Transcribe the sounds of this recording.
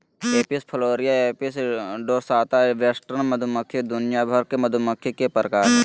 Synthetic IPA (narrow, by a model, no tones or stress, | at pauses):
eːpispʰəloːɾijaeːpisɖoːɾsaːt̪aʋeːsʈəɾnməd̪ʱʊməkʰːjed̪ʊnjabʱəɾkeməd̪ʱʊməkʰːekepɾəkaːɾ